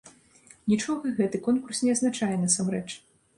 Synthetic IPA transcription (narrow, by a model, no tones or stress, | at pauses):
nʲit͡ʂɔɣɐɣɛt̪ɨkɔnkursnʲɛɐznat͡ʂajɛnɐsamrɛt͡ʂ